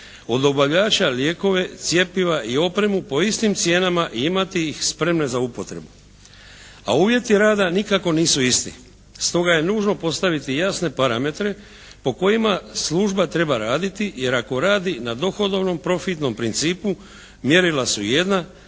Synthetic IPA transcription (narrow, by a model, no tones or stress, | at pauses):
o̞d̪o̞baʋʎaːt͡ʃalje̞ːko̞ʋe̞t̪sje̞piʋaʔio̞pɾe̞mupo̞ist̪imt̪sje̞ːnamaʔiimat̪iixspɾe̞mne̞zaupo̞t̪ɾe̞̰bu | a̰uːʋje̞t̪iɾaːd̪anikako̞niːsuist̪ḭ | st̪o̞ɡaje̞nuːʒno̞po̞st̪aʋit̪ijasne̞paɾame̞t̪ɾe̞ | po̞ko̞jimaslˠuːʒbat̪ɾe̞baɾaːd̪it̪ije̞ɾako̞ɾaːd̪inad̪o̞xo̞d̪o̞ʋno̞mpɾo̞fit̪no̞mpɾint̪siːpu | mje̞ɾilasuje̞d̪na